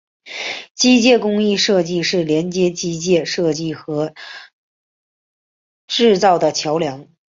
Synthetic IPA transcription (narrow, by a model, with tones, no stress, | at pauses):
t͡ɕi˥t͡ɕjɛ˥˩kʊ˥ŋi˥˧ʂɤ˥˧t͡ɕi˥˧ʂɻ̩˥˩ljɛ˧˥nt͡ɕjɛ˥t͡ɕi˥t͡ɕjɛ˥˩ʂɤ˥˧t͡ɕi˥˩xɤ˧˥ | ʈ͡ʂɻ̩˥˧t͡sɑ˥˩ʊd̪ə˩t͡ɕʰjɑ˧˥ʊljɑ˧˥ŋ